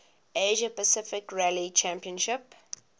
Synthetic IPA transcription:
eʒəpəsɪfɪkɹɛlit͡ʃæ̃mpiə̃nʃɪp

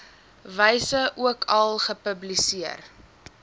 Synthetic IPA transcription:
vəjsəʔuəkʰɐlˠχəpəblisiər

